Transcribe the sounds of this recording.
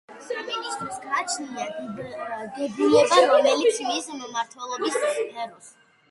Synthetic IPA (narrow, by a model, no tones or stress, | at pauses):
saminist̪ʼɾɔsɡaːt͡ʃʰniaɡ | ɡɛbulɛbɾɔmɛlisʰmizmmaɾt̪ʰwɛlˠɔbisɛɾus